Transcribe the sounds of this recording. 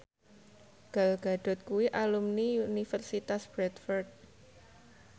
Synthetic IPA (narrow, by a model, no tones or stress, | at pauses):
ɡ̥a̤lɡ̥a̤ɖ̥ɔ̤t̪̚kuwiʔalumniunifərsit̪asb̥ɾɛt̪fɔrd̪̚